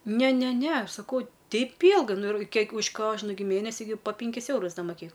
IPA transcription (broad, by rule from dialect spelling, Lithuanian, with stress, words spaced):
ˈnʲɛ ˈnʲɛ ˈnʲɛ ˈɐʃ sɐˈkɐʊ ˈtʲɛɪp ˈiːlˠɡɐɪ nʊ ɪr ˈkʲiɛk ʊʃ ˈkoːʒnʊ ɡʲɪ ˈmʲeːnʲɛsʲɪ ɡʲɪ poː ˈpʲɪŋʲkʲɪs ˈɛʊrʊs ˈdɐ moːˈkʲeːk